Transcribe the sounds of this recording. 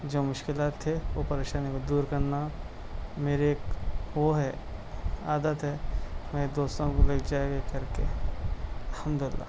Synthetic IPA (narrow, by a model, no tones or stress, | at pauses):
d͡ʒoːmʊʃkɪlaːt̪ʰːeʋopɐɾeːʃaːnikod̪uːɾkɐɾna | meːɾeeːkʋoɦɛ | aːd̪ət̪ɦɛmɛd̪oːst̪õkolekʰd͡ʒaːeɡekɐɾkḛ | ɐlhəmd̪ʊɪlːa̰ː